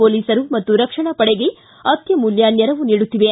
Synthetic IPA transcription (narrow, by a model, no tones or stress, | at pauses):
oːliːsɐɾumɐt̪ːuɾɐkʂɐɳɐpɐɽeɡe | ɐt̪jɐmuljaːnjɐɾɐʋuniːɽut̪ːiʋe